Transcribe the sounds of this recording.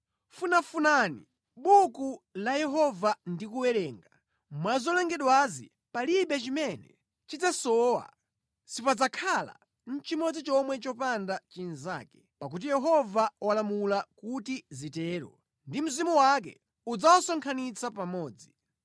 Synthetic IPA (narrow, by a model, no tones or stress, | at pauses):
funafunanḭ | ɓukulajɛɦɔvandikuwɛɾɛːŋɡa | mwazɔlɛŋɡɛɗwazḭ | paliɓɛt͡ʃimɛnɛ̰ | t͡ʃid͡zasɔwa̰ | sipad͡zakʰala̰ | n̩t͡ʃimɔd͡zit͡ʃɔmwɛt͡ʃɔpandat͡ʃinza̰ːkɛ̥ | pak̬ut̬ijɛɦɔvawalamulakutizitɛːɾɔ̰ | ndim̩zimuwak̬ɛ̰ | ud͡zawasɔŋkʰanit͡sʰapamɔːd͡zi